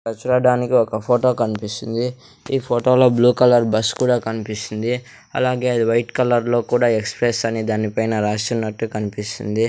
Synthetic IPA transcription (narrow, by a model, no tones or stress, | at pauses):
sɐt͡ʃuɾɐɖaːnikiɔkɐpʰoːʈo̞ːkɐnipist̪und̪i | iːpʰoːʈo̞ːloːbluːkɐlɐɾbɐskuːɽaːkɐnipist̪ind̪i | ɐ̰laːɡe̞ːɐʋɐjʈkɐlɐɾlo̞ːkuːɽaːe̞kspɾesɐnid̪aːnipɐjnɐɾaːsʈɐmnːɐʈːukɐnipist̪ṵnd̪i